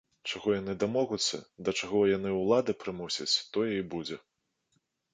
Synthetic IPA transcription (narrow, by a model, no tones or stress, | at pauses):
t͡ʂaɣɔjan̪ɨd̪amɔɣut̪sːɐ̰d̪ɐt͡ʂaɣɔjanɨwlˠad̪ɨpɾɨmusʲɐt͡sʲt̪ɔjɛibud͡zʲɛ